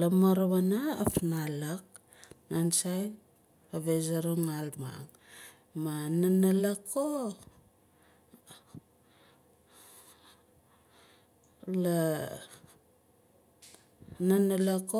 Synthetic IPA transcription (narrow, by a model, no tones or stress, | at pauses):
lamaɾaβanaːfnalak̚ | nansaj | aβezaɾoŋalma̰ŋ | mananalako | la | nanalako